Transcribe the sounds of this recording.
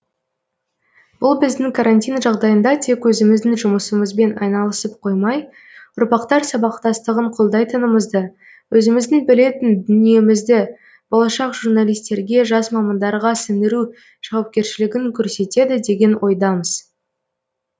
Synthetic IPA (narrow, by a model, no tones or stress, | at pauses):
b̥ʊlˠbɪzd̪ɪŋkʰaɾanʲt̪ʲijnʒɑʁd̪ɑjənd̪ɑt̪ʰe̞kwɵzɪmɪzd̪ɪŋʒʊməsəməzbe̞nɑ̰jnɑlˠəsəp̚qʰo̞jmɑj | ʊɾpɑqt̪ɑɾsɑbɑqt̪ɑst̪əʁəɴqʰolˠd̪ɑjt̪ʰənəməzd̪ə | wɵzɪmɪzd̪ɪŋbɪle̞t̪ɪnd̪ʏnije̞mɪzd̪ɪ | b̥olˠɑʃɑqʒ̥urnalˠijst̪e̞ɾɡʲe̞ʒɑsmɑmɑnd̪ɑɾʁɑsɪnd̪ɪɾu | ʒ̥ɑwɑp̚kʲe̞ɾʃɪlɪɡʲɪŋkʲʰɵɾse̞t̪e̞d̪ɪd̪e̞ɡʲe̞nwʔo̞jd̪ɑməz̥